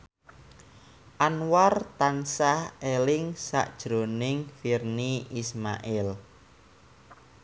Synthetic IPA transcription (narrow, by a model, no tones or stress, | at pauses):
ʔanwart̪ansahelɪŋsa̰ʔd̥ʒ̥ɾo̤nɪŋfirniisma̰ʔɪl